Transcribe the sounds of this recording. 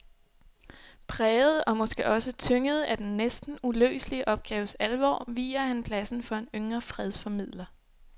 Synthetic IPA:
pʰʁɛːð̞̩ˠɒ̽mɒ̽sɡ̥e̝ʔɒ̽sət͡sʰøŋəð̞̩ˠæd̥enːesd̥n̩ulø̰ːsliəʔɒ̽b̥̚ɡ̥ɛːʊəsælʋɒ̰ːʋḭːɐhænpʰlæsn̩fɒ̽e̝nøŋʁɐfʁɛð̞ˠsfɒ̽mið̰ˠlɐ

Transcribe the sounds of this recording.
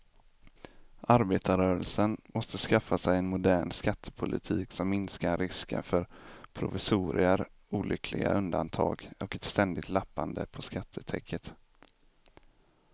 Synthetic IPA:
ʔaɾbeːt̪aɾœːɾəlsənmɔst̪əskafːasɛjɛnmʊd̪æːɳskat̪ʰːə̥pʰʊlɪ̰t̪ʰiːksɔmːɪnskaɾɪskə̰nfœɾpʰɾʊ̰vɪsuːɾɪəɾ | uːlʔʏkʰlɪɡa̰ʔɵnd̪a̰nt̪ʰɑ̰ːɡɔkɛt̪st̪ɛnd̪ɪt̪lapːand̪ə̰pʰɔskat̪ʰːət̪ʰɛkʰːət̪

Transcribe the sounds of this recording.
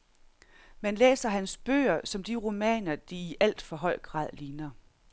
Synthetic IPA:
mænlḛːsɐɦænsb̥ø̰ːɐsɒ̽md̥iʁo̝mɛ̰ːnɐd̥iːʔæl̰d̥fɒ̽ɦɒ̽ɪ̰ɡ̥ʁɑ̰̈ːðˠliːnɐ

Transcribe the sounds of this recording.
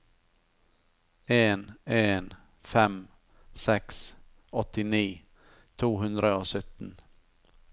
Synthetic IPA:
eːneːn | fɛm | sɛks | ɔt̪ɪniː | t̪ʰuːɦʉnd̪ɾəoːsœt̪n̩

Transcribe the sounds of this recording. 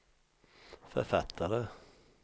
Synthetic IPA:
fœ̰ɾfɑt̪ʰːəɾə

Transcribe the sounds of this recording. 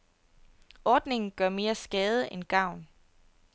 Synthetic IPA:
ɒːd̥ne̝ŋn̩ɡ̥ɶɐme̝ːɐsɡ̥ɛːð̞ˠəʔenɡ̥ɑ̈ʊ̰n

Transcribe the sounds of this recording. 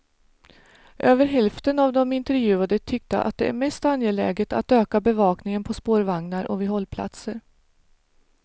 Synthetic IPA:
ʔøːvəɾɦɛlft̪ənavd̪ɔmɪnt̪ɛɾjʉ̟ːad̪ət̪ʰʏk̚t̪ə̰ʔa̰t̪̚d̪ɛʔæ̰ɾmɛst̪anjɛlɛ̰ːɡət̪a̰t̪øːkabɛvɑːknɪŋənpʰɔspoːɾvaŋnaɾʔɔ̰vɪɦɔlːpʰla̰t̪səɾ

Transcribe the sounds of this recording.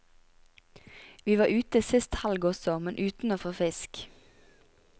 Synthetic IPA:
ʋiːʋɑːʔʉːt̪əsɪst̪hɑlɡɔsɔmɛnʔʉːt̪n̩oːfoːfɪsk

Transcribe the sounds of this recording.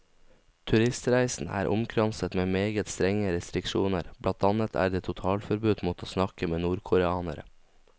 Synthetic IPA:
t̪ʰʉɾɪst̪ɾæɪsn̩æ̰ːɾʔʊ̰mkʰɾɑnsət̪meːmeːɡət̪st̪ɾɛŋəɾɛst̪ɾɪkʃuːnəɾb̥lɑnt̪ɑnət̪ʰæ̰ːɾd̪eːt̪ʰʊt̪ʰɑːlfɔɾbʉːd̪mɔt̪ʰosnɑkəmeːnuːɾkʰʊɾɛɑːnə̰ɾə̰

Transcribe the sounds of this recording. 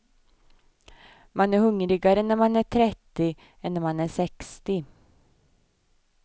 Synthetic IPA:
manæɾhɵŋɾɪɡaɾənːæɾmanæːʈʰɾɛt̪ːɪ | ɛnːɾmanæːʂɛkst̪ɪ

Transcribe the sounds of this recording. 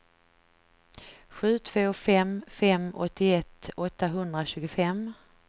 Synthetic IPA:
ɧʉ̟ːt̪ʰv̥oːfɛmfɛmɔ̰t̪ːɪɛt̪ːɔt̪ːaɦɵnd̪ɾaɕʉ̟ːɡʊfɛm

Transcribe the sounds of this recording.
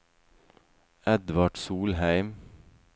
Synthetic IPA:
ɛd̪ʋɑɖ̥suːlhæɪm

